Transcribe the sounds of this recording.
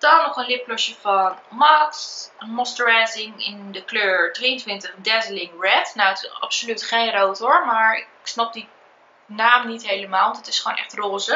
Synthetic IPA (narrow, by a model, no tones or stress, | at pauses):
d̥ɔnɔχənlɪplɔʃəfɑnmɑksmɔstəɹɛzɪŋɪndəkløːɹdriəntʋɪntəχdɛzəlɪŋɹɛtnowətɑ̰psolytχejnrowtʊɹmaːɹɪksnɑp̚di | naːmnitɦejləmaːlˠʋɔntətɪsχoːnʔɛ̰χtroːzə